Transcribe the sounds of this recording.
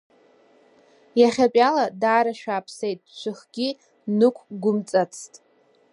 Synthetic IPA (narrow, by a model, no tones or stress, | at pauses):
jaχʲapʼaladaːɾaʃᶣaːpʰsejt̚ʼt͡ʃʷʰɨχɡʲi | nɨkʷʰɡʷʊmt͡sʼat͡sʰtʼ